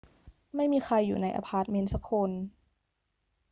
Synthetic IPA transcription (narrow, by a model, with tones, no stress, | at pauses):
ma˥˩jmiː˧xʰa˧jːṵː˨˩na˧jʔa̰˧pʰaː˧˩t̪̚me˧nsa˦kʰo˧n